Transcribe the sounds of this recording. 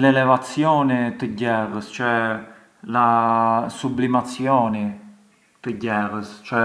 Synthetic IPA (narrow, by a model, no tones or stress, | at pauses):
lɛlɛvat͡sjɔnit̪əɟɛrəst͡ʃɛ | lasublimat͡sjɔni | t̪əɟɛrəst͡ʃɛ